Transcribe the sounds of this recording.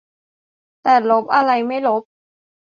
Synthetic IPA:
t̪ɛː˨˩lo˦˥p̚ʔa˧ɾa˧jma˥˩jlo˦˥p̚

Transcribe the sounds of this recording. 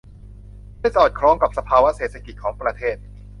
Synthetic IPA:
aː˥˩jsɔː˨˩t̪̚kʰɾɔː˨˥ŋka˨˩p̚sa˧pʰaː˧wa˦˥seː˨˩t̪̚sʰa˧ki˨˩t̪̚kʰɔː˩˦ŋpɾa˧t̪ʰeː˥˩t̪̚

